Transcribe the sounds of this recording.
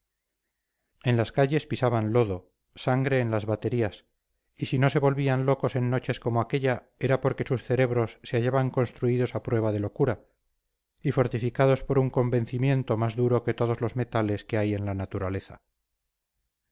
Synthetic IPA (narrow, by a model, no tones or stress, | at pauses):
e̞nlaskaʝe̞spisaβanlo̞ðo̞ | saŋɡɾe̞ːnlazβat̪e̞ɾias | isino̞se̞βo̞lβianlo̞ko̞se̞nːo̞t͡ʃe̞sko̞moake̞ʎa | e̞ɾapo̞ɾke̞susθe̞ɾe̞βɾo̞sːeaʝaβaŋko̞nst̪ɾuiðo̞sapɾwe̞β̞aðe̞lo̞kuɾa | ifo̞ɾt̪ifikað̞o̞spo̞ɾuŋko̞mbe̞n̟θimje̞nt̪o̞mazðuɾo̞ke̞t̪o̞ð̞o̞zlo̞zme̞t̪ale̞skeaje̞nlanat̪uɾale̞θa̰